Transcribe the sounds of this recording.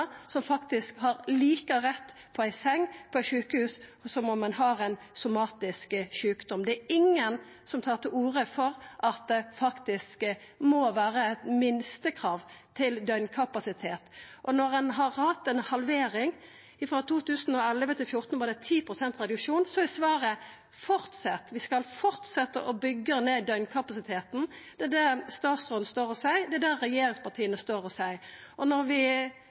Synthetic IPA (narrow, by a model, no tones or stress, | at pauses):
sɔmfɑkt̪ɪskhɑɾliːkəʁɛt̪ː | pʰɔæɪsɛŋːpʰɔɛɪʃʉːkəhʉːssɔmɔmːɛnhɑɾæn | sʊmɑːt̪ɪskʃʉːkd̪ɔmd̪ɛæːɪŋːən | sɔmt̪ʰɑːʁt̪ʰɪʔuːɾəfɔɾʔɑt̪̚d̪ɛfɑkt̪ɪskmoʋæːɾəæt̪mɪnst̪əkʰɾɑːʋt̪ʰɪld̪œʏnkʰɑpɑsɪt̪ʰeːt̪ʔɔnɔʁɛnɦɑʁhɑt̪ːɛnhɑlʋeːɾɪŋ | ɪfɾɑːt̪ʰuːt̪ʰʉːsən̩ɔɛləʋət̪ʰɪlfjʊʁt̪n̩ʋɑɾd̪ɛt̪ʰiːpʰɾʊsɛnt̪ʁɛd̪ʉkʂuːnsɔɪsʋɑːɾə | fɔɾt̪sɛt̪ːʋɪskɑlfɔɾt̪sɛt̪ːə̰ʔɔbʏɡːəneːd̪œʏnkʰɑpɑsɪt̪ʰeːt̪n̩d̪̥ɛd̪æɾst̪ɑːt̪sʁɔd̪nst̪oːɾɔsæɪd̪ɛæd̪æːɛjeːɾɪŋspɑt̪ʰiːənəst̪oːɾɔsæɪʔɔnɔɾʋɪ